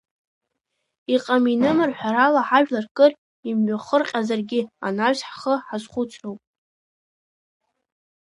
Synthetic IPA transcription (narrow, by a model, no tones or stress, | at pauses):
iqʼaminɨmɨrħʷᶣaɾalaħaʒᶣlarkʼɨr | imɥaχərqʲʼazarɡʲɪa̰naɥzħχəħazχʷʊt͡sʰrowpʼ